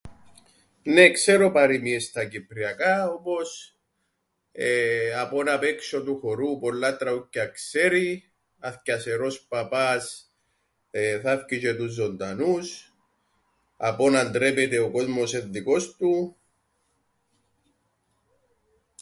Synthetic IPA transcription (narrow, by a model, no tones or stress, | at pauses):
nekseɾopɐɾimiest̪ɐcipɾiɐkaopo̞s | apo̞nɐpekso̞t̪uxoɾupolːat̪ɾɐucːɐkseɾi | ɐθcɐseɾo̞spɐpɐs | θɐfcit͡ʃet̪uzːond̪ɐnus | ɐpo̞nɐnd̪ɾepet̪eoko̞zmo̞seðːiko̞st̪u